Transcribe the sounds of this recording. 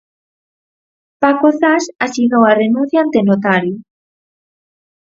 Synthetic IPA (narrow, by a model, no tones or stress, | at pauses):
pakoθasasiɣowarenũn̟θjaant̪enot̪aɾjo